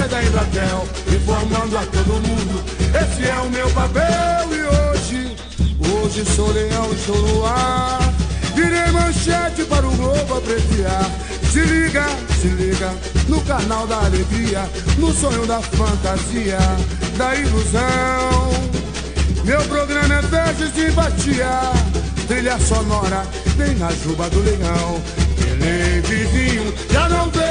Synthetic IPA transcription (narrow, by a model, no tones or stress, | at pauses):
jd̪aĩd̪at̪ɛw | ɪ̃foɾmɐ̃nd̪ʊat̪od̪ʊmũd̪ʊ | esɪɛʊmewpapɛwɪoʒɪ | oʒɪsoleɐ̃w̃ɪʃolua | viɾẽjmɐ̃ʃɛt͡ʃɪpaɾʊɡowpʊapɾesia | sɪliɡɐ | sɪliɡɐ | nʊkanawd̪aaleɡɾiɐ | nʊsõɲõd̪ɐfɐ̃nt̪aziɐd̪ɐiluzɐ̃w̃ | mewpɾoɡɾɐ̃mɐfɛzɪzĩpat͡ʃiat̪ɾiʎɐsonɔɾɐ | t̪ẽj̃nɐʒubɐd̪ʊleɡɐ̃w̃ | elevizĩɲʊ | ʒanɐ̃w̃t̪e